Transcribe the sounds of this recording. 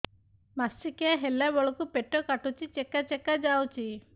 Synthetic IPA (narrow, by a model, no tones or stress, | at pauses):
masikeaɦelabɔɭɔkupeʈːɔkaʈut͡ʃit͡ʃɛkːat͡ʃɛkːad͡ʒawt͡ʃʰi